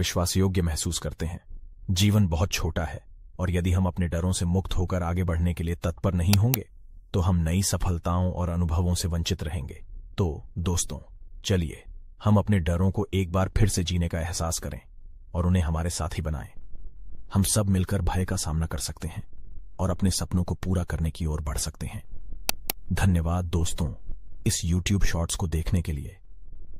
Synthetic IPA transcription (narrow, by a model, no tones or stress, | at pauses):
ʋɪʃwaːsjoːɡjəmɛɦsuːskɐɾt̪eɦɛ̃ːd͡ʒiːʋənbɐɦʊt̪̚t͡ʃʰoːʈaɦɛːɔːɾjɐd̪iɦɐmɐpneɖɐɾõsemʊkt̪ɦoːkəɾaːɡebɐɽ̤nekeliet̪ɐt̪̚pəɾnɐɦĩɦõːŋɡeː | t̪oɦɐmnɐisɐfʰəlt̪aːõʔɔ̰ːɾɐnʊbʱəʋõseʋɐ̃ɲt͡ʃɪt̪ɾɐɦẽːŋɡeːt̪oːd̪oːst̪õ̰t͡ʃɐliḛːhɐmɐpneɖɐɾõkoʔeːk̚baːɾpʰɪɾsed͡ʒiːnekaɛɦsaːskɐɾʔḛ̃ː | ɔːɾʊnɦẽɦɐmaːɾesa̰ːt̪ʰɦibɐna̰ːẽː | hɐmsɐbmɪlkəɾbʱaːjkasaːmnakɐɾsɐk̚t̪eɦɛ̃ːɔːɾɐpnesɐpnõkopuːɾakɐɾnekiɔːɾbɐɽ̤sɐkt̪eɦɛ̃ː | d̪ʱɐnjəʋaːd̪̚ːoːst̪õɪsjuːʈjuːbʃɔːʈskod̪eːkʰnekelḭḛː